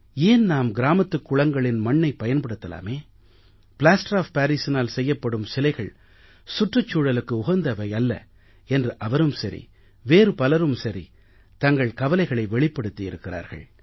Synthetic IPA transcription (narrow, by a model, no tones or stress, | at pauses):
eːnnaːmɡɪɾaːmɐt̪ːɯkːʊɭɐŋɡɐɭɪnmɐɳːɐɪpːɐjɐnpɐɽɯt̪ːɐla̰ːmeː | pɪlaːsʈɾaːfpaːɾiːsɪnaːlsɛjːɐpːɐɽɯmsɪlɐɪɣɐɭ | sʊʈrɐt͡ʃːuːɽɐlɯkːɯʊɣɐnd̪ɐʋɐɪɐlːɐ̰ | ɛndrɯʔɐʋɐɾɯmsɐɾḭ | ʋeːɾɯpɐlɐɾɯmsɐɾḭ | t̪ɐŋɡɐɭkɐʋɐlɐɪɣɐɭɐɪʋɛɭɪpːɐɽɯt̪ːiɪɾɯkːɪra̰ːɾɣɐ̰ɭ